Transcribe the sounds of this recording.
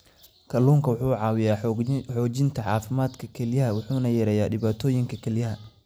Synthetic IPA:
kʰɐluːŋkʰɐwʊħuːʕɑːwɪjaːħɔːt͡ʃɪnt̪ʰɐʕɑːfɪmaːd̪kʰɐkʰɛljɐɦɐwʊħuːnɐjɛɾɛjaːɖɪβaːt̪ʰɔːjɪŋkʰɐkʰɛljɐɦɐ

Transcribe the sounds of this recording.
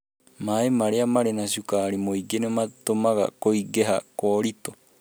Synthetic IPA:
maemaɾeamaɾenasukaɾimojɡenemat̪omaɡa̰kojɡeɦakoːɾito

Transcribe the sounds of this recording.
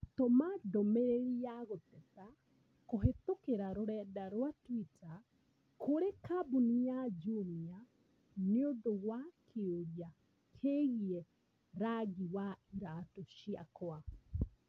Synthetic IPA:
t̪omadomeɾeɾiaɣot̪ɛta | koɦet̪okeɾaɾoɾɛdaɾwatwita | kʰoɾekabunijad͡ʒuɾia | neondoɣwakʰeoja | kʰeɣiɛ | ɾaɡiwaiɾatoʃia̰kwa

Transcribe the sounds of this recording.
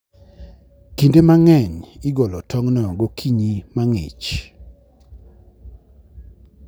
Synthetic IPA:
kindemaŋɛɲɪɡɔlɔtɔŋnɔɡokʰiɲimaŋɪ̰t͡ʃ

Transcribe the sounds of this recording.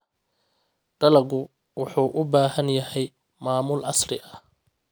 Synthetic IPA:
ɖ̥ɐlɐɣʊ | wʊħuːʔʊbaːɦɐnjɐhɛj | maːmʊlɑslɪʔɐ

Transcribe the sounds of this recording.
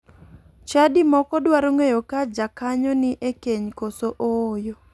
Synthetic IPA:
t͡ʃadimɔkɔdwaɾoŋejokad͡ʒakaɲɔnɪʔekeɲkosoʔoːjo

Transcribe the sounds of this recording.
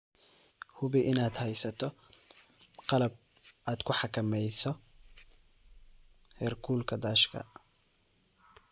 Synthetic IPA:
hʊβɪʔɪnaːd̪hɛjsɐt̪ʰɔ | qɑlɐb̚aːd̪̥kʰʊħɑkʰɐmɛjsɔ | hɛrkʰuːlkʰɐd̪aːʃkʰɐ̰

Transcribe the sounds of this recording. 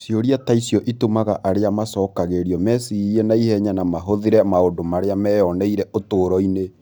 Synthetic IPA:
sjoɾiataisjɔʔitomaɣaʔaɾeamasɔːkaɣeɾiɔmɛsiɛnaihɛɲanamaɦoðiɾɛmaondomaɾeamɛjɔnɛiɾɛʔotoːɾɔine

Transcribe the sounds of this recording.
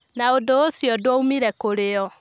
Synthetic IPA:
naodoosjɔdwɔumiɾɛkoɾeɔ

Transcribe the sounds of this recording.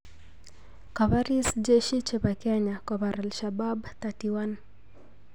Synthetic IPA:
kaβaɾisd͡ʒɛʃit͡ʃɛβakɛɲakaβaɾalʃababtatiwan

